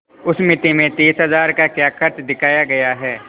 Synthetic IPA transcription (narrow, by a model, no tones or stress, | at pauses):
ʊsmɪt̪emẽt̪eːsɦɐzaːɾkakjaːkʰəɾt͡ʃd̪ɪkʰaːjaɡɐjaɦɛː